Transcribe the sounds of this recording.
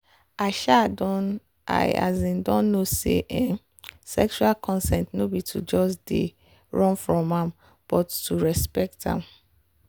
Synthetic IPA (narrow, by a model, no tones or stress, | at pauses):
aʃadɔ̃n | ʔa̰a̰zĩndɔ̃nːosḛʔɛ̃n | sɛ̰kʃualkʰɔ̃nsɛ̃ntnobitʰud͡ʒɔsdḛ | ɹɔ̃nfɹɔ̃mãm | b̥ɔtːuɹɛspɛk̚tã̰m